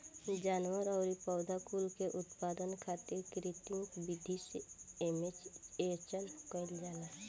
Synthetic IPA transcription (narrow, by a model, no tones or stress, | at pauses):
d͡ʒaːnwəɾɔʊɾipɔʊd̪ʱakuːlkeʔʊt̪paːd̪ənkʰaːt̪iɾkɾit̪ɪ̃ŋkbɪd̪ʱiseemet͡ʃet͡ʃəlpkəld͡ʒaːla